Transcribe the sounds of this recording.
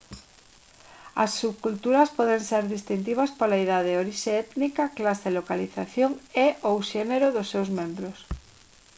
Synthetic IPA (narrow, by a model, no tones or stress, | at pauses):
ɐ̰sːuβkult̪uɾɐspɔðeŋseɾðist̪int̪̬iβ̞ɐspolaiðaðeoɾiʃeɛt̪nikɐklaselokaliθaθjoŋeʔowʃeneɾʊðʊsːewzmẽmbɾʊs